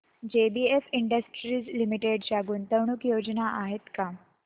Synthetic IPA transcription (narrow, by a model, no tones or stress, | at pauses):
d͡ʑebiefiɳɖəsʈɾiːd͡zlimiʈeɖd͡ʑaɡuːnt̪əwɳ̃ukjod͡ʑnaʔaɦet̪ka